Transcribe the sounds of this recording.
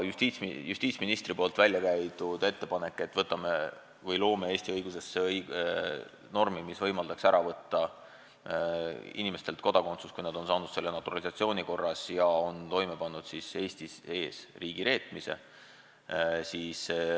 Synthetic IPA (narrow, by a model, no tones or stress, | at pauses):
just̪it̪sjusʲt̪iːt̪sminist̪rɾipo̞ːlt̪vælʲjɑkæjt̪ud̪̥e̞t̪ːe̞pɑne̞kːe̞t̪ːˑvɤt̪ːˑɑme | vɤjlo̞ːmee̞ːsʲt̪iɤjɡ̥use̞sːej | no̞rmimisvɤjmɑld̪̥ɑksæɾɑvɤt̪ːɑ | ḭnimest̪e̞lt̪̚ko̞d̪̥ɑko̞nt̪su̥skujnɑd̪o̞nsɑːnud̪̥se̞lːe̞nɑt̪ːˑuɾɑlisɑt̪sio̞ːniko̞rːɑsjɑo̞nt̪o̞jme̞pɑnːud̪̥sise̞ːsʲt̪ise̞ːsriːɡ̥iɾe̞ːt̪ˑmise̞̰ | siːs